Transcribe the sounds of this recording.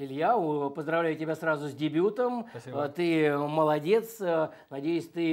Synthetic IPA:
ɪlʲjapəzd̪ɾɐvlʲæjʊtʲɪbʲasɾrazʊzʲdʲɪbʲut̪əmt̪ɨməlˠɐdʲe̞t̪s | nɐdʲejɪsʲt̪ɨ

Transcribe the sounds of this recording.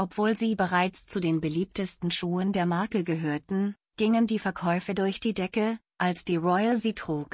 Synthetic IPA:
ʔɔpv̥oːlziːbəʁaɪt͡st͡sudeːnbəliːp̚təstn̩ʃuːəndeːɐmaɐkəɡəɦøːɐtn̩ | ɡ̥ɪŋəndiːfɛɐkʰɔʏfədʊɐçd̥iːdɛkə | ʔalsd̥iːʁɔʏəlziːtʁ̥uːk

